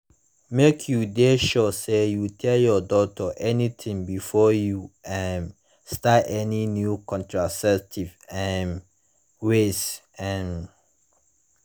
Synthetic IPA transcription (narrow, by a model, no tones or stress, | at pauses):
mekʰjudeʃɔsejutʰɛjɔdɔtʰɔʔɛnitʰĩŋbifɔjuɛ̃n | statɛninjukʰɔ̃ntʰɹasɛk̚tʰivɛ̃n | wes | ɛ̃n